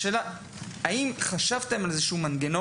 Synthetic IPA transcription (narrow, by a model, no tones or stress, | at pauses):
eːla | aimχaʃavt̪e̞malezeʃuːmanɡeno